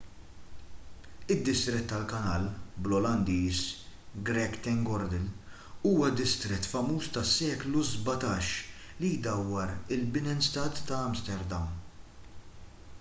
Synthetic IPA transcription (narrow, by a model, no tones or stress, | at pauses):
ɪd̪ːɪst̪ɾɛt̪ːɐlkɐnɐːlblɔlɐnd̪iːsɡɾɛkːt̪ɛŋɡɔɾd̪ɛl | uːwɐd̪ɪst̪ɾɛt̪ːfɐmuːst̪ɐsːɛːkluzbɐt̪ɐːʃ | lid̪ɐwːɐɾɪlbɪnɛnst̪ɐːt̪ːɐɐmst̪ɛɾd̪ɐm